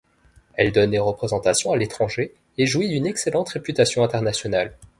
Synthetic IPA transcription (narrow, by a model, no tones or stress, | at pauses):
ɛld̪ɔnd̪eʁəpχezɑ̃t̪asjɔ̃alet̪χɑ̃ʒe | eʒuid̪ynɛkselɑ̃t̪ʁepyt̪asjɔ̃ɛ̃t̪ɛʁnasjɔnal